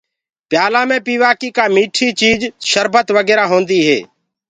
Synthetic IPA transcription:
pɪjaːlãːmẽːpiːʋaːkiːkaːmiːʈʰiːt͡ʃiːd͡ʒʃəɾbʱət̪ʋəɡɛːɾaːɦõːnd̪iːɦḛː

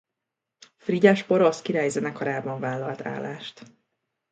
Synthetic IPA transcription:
friɟaʃpoɾoskiɾaːjzɛnɛkʰoɾaːbɒɱvaːlːɒlt̪ʰa̰ːlaːʃt̪

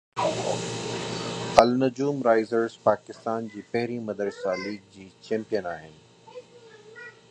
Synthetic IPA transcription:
ɐlnɐd͡ʑuːmɾaːɪzəɾzpaːkɪst̪aːnd͡ʑiːpɐɦɾimɐd̪ɾəsaːliːɡ̚d͡ʑiːt͡ɕẽːmpijənaːɦɪnɪ̆

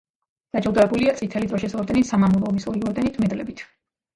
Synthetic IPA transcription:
d̪̥ad͡ʒad̪aɛbuliat̪sʼit̪ʰɛlid̪ɾɔʃɛsɔɾd̪ɛnit̪samamulˠɔːmisɔɾiɔɾd̪ɛnit̪ʰmɛd̪lɛbit̪ʰ

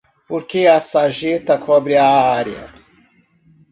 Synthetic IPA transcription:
poɾkeɐsaʒet̪ɐkʰɔbɾɪaaɾjɐ̰

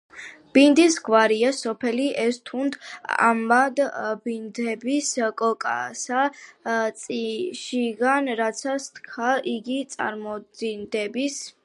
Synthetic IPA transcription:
b̥ind̪isɡwaɾiasɔpʰɛliʔɛst̪ʰund̪a̰mad̪bind̪ɛbiskʼɔkʼa̰sat̪sʼiʃiɡanɾat̪sʰast̪kʰaʔiɡit̪sʼa̰ɾmɔind̪ɛbis

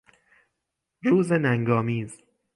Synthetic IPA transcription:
ɾuːzenæŋɡɒːmiːz

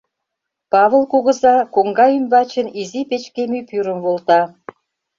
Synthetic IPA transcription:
pɑβəlkuɣə̆zɑkoŋɡɑymbɑt͡ɕə̆nizipet͡ɕkemypyɾəmβolt̪ɑ

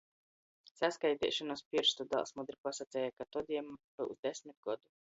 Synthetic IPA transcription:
sæskajt̪ɛ̰ːʃɔnɔspʲiɾst̪ud̪a̰lˠsmɔd̪ɾipasat̪sɛːjakat̪ɔd̪ʲiɛmbṵzd̪esʲmit̪̚ɡ̥ɔd̪u

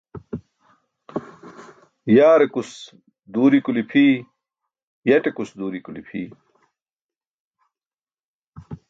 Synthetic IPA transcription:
jaːɾekus | d̪uːɾikulipʰiː | jɐʈekusd̪uːɾikulḭpʰḭː

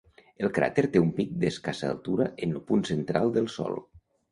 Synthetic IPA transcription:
əlˠkɾa̰t̪eɾt̪eumpik̚d̪eskasa̰ːlˠt̪uɾaʔenlopunsent̪ɾalˠd̪əlˠsɔ̰lˠ

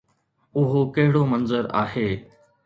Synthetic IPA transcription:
ʊɦokɐɦɪɽomɐnzəɾa̰ːheː

